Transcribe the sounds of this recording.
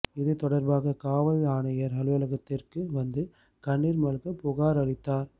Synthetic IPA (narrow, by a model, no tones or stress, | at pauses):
ɪðɯt̪ɔɽɐɾbaːɣɐkaːʋɐɭaːɳɐjɐɾɐlʋɐlɐɣɐt̪ːɪrkɯʋɐnd̪ɯ | kɐɳːiɾmɐɻɣɐpʊɣaːɾɐɭɪt̪ːaːɾ